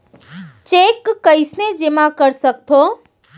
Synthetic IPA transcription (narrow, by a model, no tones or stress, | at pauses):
t͡ʃekːəɪsned͡ʒemãkəɾsək̚t̪ʰo